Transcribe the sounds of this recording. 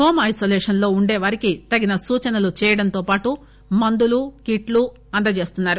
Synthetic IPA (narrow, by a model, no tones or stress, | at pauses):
ʈoːmɐjsoːleːʂɐnlo̞ːuɳɖeːʋɐɾikit̪ɐɡinɐsuːt͡ʃɐnɐlut͡ʃɛːjɐɽɐnt̪o̞ːpaːʈu | mɐnd̪ulukiʈlu | ɐnd̪ɐt͡ʃe̞ːst̪unːaːɾu